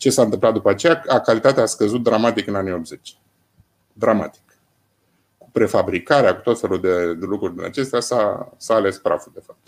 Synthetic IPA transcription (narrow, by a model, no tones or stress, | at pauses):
t͡ʃe̞sant̪ɨmplat̪̚d̪upəat͡ʃe̞jaakalit̪at̪easkəzut̪̚d̪ɾamat̪ikɨnanio̞p̪̚ze̞t͡ʃ | d̪ɾama̰t̪i̥k | ku̥pɾe̞fabɾikaɾeaku̥t̪o̞t̪fe̞luld̪ed̪e̞lukɾurʲd̪ina̰t͡ʃe̞st̪easasaːle̞spɾa̰fud̪e̞fap̚t̪